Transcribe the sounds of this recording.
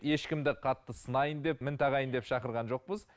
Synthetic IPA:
je̞ʃkʲɪmd̪ɪqʰɑt̪ːəsənɑjənd̪e̞pmɪnt̪ʰɑʁɑjənd̪e̞pʃɑqəɾʁɑnʒo̞q̚pəz

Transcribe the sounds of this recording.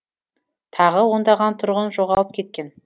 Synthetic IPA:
t̪ʰɑʁəwo̞nd̪ɑʁɑnt̪ʰʊɾʁənʒo̞ʁɑlˠəp̚kʲʰe̞t̪̚kʲe̞n

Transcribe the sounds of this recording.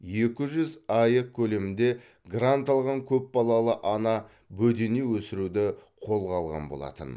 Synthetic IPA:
je̞kʲɪʒʏzɑjəq̚kʲʰɵle̞mɪnd̪e̞ | ɡrant̪ɑlˠʁɑŋkʲʰɵp̚bɑlˠɑlˠəʔɑnɑ | bɵd̪e̞newɵsɪɾud̪ɪqʰo̞lˠʁɑlˠʁɑ̰nbo̞lˠɑ̰t̪ə̰n

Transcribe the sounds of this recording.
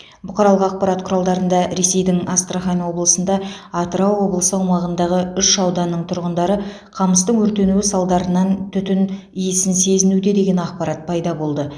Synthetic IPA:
bʊqʰɑɾɑlˠəqɑq̚pɑɾɑt̪qʰʊɾɑlˠd̪ɑɾənd̪ɑɾe̞se̞jd̪ɪŋast̪raχɑjnwo̞blˠəsənd̪ɑɑt̪ɾɑwːo̞blˠəsəɑwmɑʁənd̪ɑʁəʏʃːɑwd̪ɑnːəɴt̪ʰʊɾʁənd̪ɑɾə | qʰɑməst̪əɴwɵɾt̪e̞nuɪsɑlˠd̪ɑɾənɑnt̪ʰʏt̪ɪn | ijɪsɪnse̞zɪnud̪e̞d̪e̞ɡʲe̞nɑqpɑɾɑt̪̚pʰɑjd̪ɑbo̞lˠd̪ə

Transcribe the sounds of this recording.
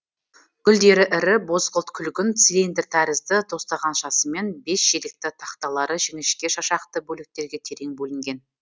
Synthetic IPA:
ɡʲʰʏld̪e̞ɾɪʔɪɾɪbo̞zqəlˠt̪kʲʰʏlɡʲɪnt̪silend̪ert̪ʰæɾɪzd̪ɪt̪ʰo̞st̪ɑʁɑnʃɑsəme̞nbe̞sʒed̪ɪk̚t̪ɪt̪ʰɑqt̪ɑlˠɑɾəʒeŋɪʃkʲe̞ʃɑʃɑqt̪əbɵlek̚t̪e̞ɾɡʲet̪ʲʰe̞ɾe̞ŋbɵlɪŋɡʲe̞n

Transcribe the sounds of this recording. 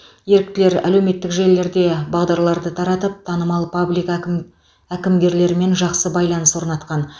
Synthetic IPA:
je̞ɾɪk̚t̪ɪle̞ɾæ̰lewme̞t̪ːɪkʒe̞lːe̞ɾd̪e̞bɑʁd̪ɑɾlˠɑɾd̪ət̪ʰɑɾɑt̪əp̚t̪ʰɑnəmɑlˠpublik | ækʲɪmɡʲe̞ɾle̞ɾɪme̞nʒɑqsəbɑjlˠɑnəswoɾnɑt̪qɑn

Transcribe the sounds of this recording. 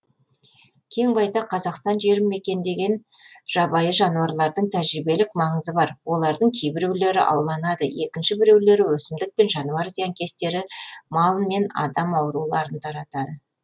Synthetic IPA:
kʲʰe̞ŋbɑjd̪ɑqʰɑzɑqst̪ɑnʒe̞ɾɪmːe̞kʲe̞nd̪e̞ɡʲen | ʒ̥ɑbɑjəʒɑnuɑɾlˠɑɾd̪əɴt̪ʰæʒɾibe̞lɪkmɑɴəzəbɑɾwo̞lˠɑɾd̪əɴkʲʰe̞jbɪɾe̞wle̞ɾɪ̰ʔɑ̰wlˠɑnɑd̪əje̞kʲɪnʃɪbɪɾe̞wle̞ɾɪwɵsɪmd̪ɪk̚pe̞nʒɑnuɑɾzijɑŋkʲʰe̞st̪e̞ɾɪmɑlˠənme̞nɑ̰d̪ɑmɑwɾulˠɑɾənt̪ʰɑɾɑt̪ɑd̪ə

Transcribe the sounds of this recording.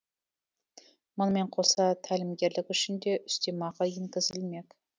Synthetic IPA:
mʊnme̞ɴqʰo̞sɑt̪ʰælɪmɡʲe̞ɾlɪkʏʃɪnd̪e̞ʔʏst̪emɑʁɑjeŋkʲɪzɪlme̞k

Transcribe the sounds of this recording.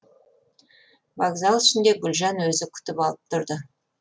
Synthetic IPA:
vaɡzɑlˠɪʃɪnd̪e̞ɡʲʊlʲʒɑnwɵzɪkʲʰʏ̥t̪ɪpɑlˠəp̚t̪ʰʊɾd̪ə

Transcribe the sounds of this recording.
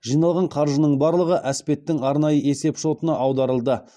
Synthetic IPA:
ʒ̥ijnɑlˠʁɑɴqʰɑɾʒənəɴbɑɾlˠəʁəʔæspe̞t̪ːɪŋɑɾnɑjəe̞se̞pʃo̞t̪ənɑʔɑwd̪ɑɾəlˠd̪ə

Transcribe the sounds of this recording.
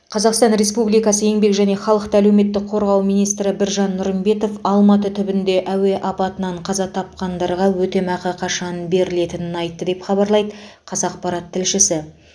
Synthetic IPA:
qʰɑzɑqst̪ɑnɾe̞spublijkɑsəje̞ŋbe̞kʒæne̞χɑlˠəqt̪əælewme̞t̪ːɪk̚qʰo̞ɾʁɑwmijnijst̪ɾɪbɪɾʒɑnːʊɾəmbe̞t̪o̞fɑlˠmɑt̪ət̪ʰʏbɪnd̪e̞ʔæwe̞ʔɑpɑt̪ənɑɴqʰɑzɑt̪ʰɑp̚qɑnd̪ɑɾʁɑwɵt̪e̞mɑqəqʰɑʃɑnbe̞ɾɪle̞t̪ɪnɪnɑjt̪ːəd̪e̞pχɑbɑɾlˠɑjd̪əqʰɑzɑq̚pɑɾɑt̪ʰːɪlʃɪsɪ

